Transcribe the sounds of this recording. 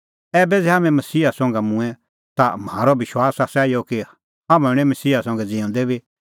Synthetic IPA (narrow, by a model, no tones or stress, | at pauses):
ɛːbɛd͡zɛɦaːmɛ̃mɐsiːɦasɔ̃ːŋɡɛmũɛ̃ | t̪am̤aːɾɔʋɪʃwaːsasaːiɔki | ɦamɛ̃ɽ̃ɛ̃mɐsiːasɔ̃ːŋɡɛd͡zĩõːnd̪ɛbi